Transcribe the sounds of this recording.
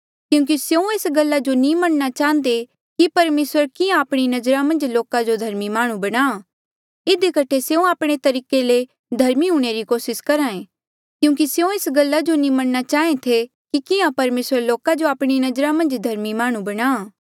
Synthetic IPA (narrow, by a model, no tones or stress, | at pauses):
kjũːk̬iseũeːsɡɐlːad͡ʒonĩmɐɽ̃nat͡ʃaːɦə̃nd̪e | kipɐɾmeːsəɾkɪãaːpɽ̃inɐd͡ʒɾamɐ̃nd͡ʒloːkad͡ʒod̪ʱɐɾmimaːɽ̃ũbɐɽ̃aː | ɪd̪ikɐʈʰeseːũaːpɽ̃et̪ɐɾiːkele | d̪ʱɐɾmiɦũːɽ̃eɾikoːsɪskɐɾaːẽ | kjũːk̬iseũeːsɡɐlːad͡ʒonĩmɐɽ̃nat͡ʃaːẽt̪ʰe | kikɪãpɐɾmeːsəɾloːkad͡ʒoaːpɽ̃inɐd͡ʒɾamɐ̃nd͡ʒd̪ʱɐɾmimaːɽ̃ũbɐɽ̃aː